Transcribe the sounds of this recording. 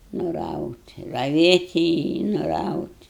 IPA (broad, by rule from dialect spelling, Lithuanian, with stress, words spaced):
nʊˈrɐʊtʲ rɐˈʋʲeːtʲɪ ɪ nʊˈrɐʊtʲ